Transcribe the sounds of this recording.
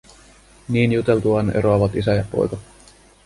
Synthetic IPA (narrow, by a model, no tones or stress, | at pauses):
niːnjut̪e̞lt̪uɑnḛɾoɑʋɑt̪isæjɑpo̞̰jkɑ